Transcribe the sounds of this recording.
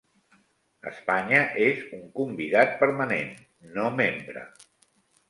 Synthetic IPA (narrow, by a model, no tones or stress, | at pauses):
ə̰spaɲəʔezuŋkumbiðat̪̚pəɾmənenː | omembɾə̰